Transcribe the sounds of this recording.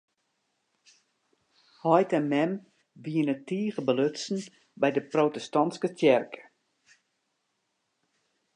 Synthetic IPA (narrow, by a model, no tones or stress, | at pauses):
hɔjtɛmɛm | ʋiənətiəɣəbəløtsn̩ | bɛjdəprotəstɑnskətjɛrkʰə̥